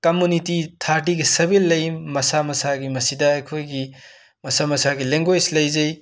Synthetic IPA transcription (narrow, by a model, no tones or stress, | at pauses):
kɐmunititʰaɾʈiɡisɐbilːɐjmːɐsamɐsaɡimɐsidɐɐjkʰojɡi | mɐsamɐsaɡileŋɡojslɐjzɐj